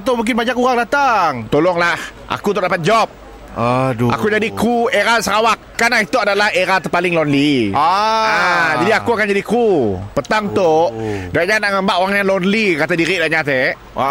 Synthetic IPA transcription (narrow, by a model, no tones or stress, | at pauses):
at̪̬awmuŋk̬ɪnbaɲakuɣaŋdat̪aŋt̪olɔŋlahʔa̰kut̪ʊʔdapat̪̚d͡ʒɔp̚ | a̰kud͡ʒadikueɾasəɾawakːanlahit̪uadalaheɾat̪əpalɪŋlɔnliaad͡ʒadiakuakand͡ʒadikupət̪aŋt̪oʔdaʔɲanaʔŋəmbaʔoaŋjaŋlɔnlikat̪adiɾiʔdaʔɲat̪ɛ